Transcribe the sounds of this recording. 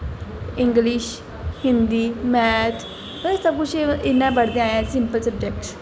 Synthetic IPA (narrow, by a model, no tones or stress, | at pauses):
ɪ̃ŋɡliʃ | hĩnd̪iːmɛt̪ʰ | səb̚kut͡ʃiɪnːãbəɽd̪ẽaːjãsimpəlsəb̚d͡ʒek̚ʈs